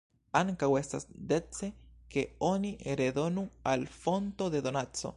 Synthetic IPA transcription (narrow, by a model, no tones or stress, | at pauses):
aŋkawe̞st̪asd̪et͡se̞ke̞oniʔeɾeðo̞nualfo̞nt̪o̞ðe̞ðonat͡so̞̰